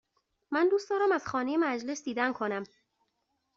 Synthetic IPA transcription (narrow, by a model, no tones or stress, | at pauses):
mænd̪uːst̪d̪ɒːɾæmæz̥xɒːne̞jemæd͡ʒle̞sd̪iːd̪ænkʰo̞næm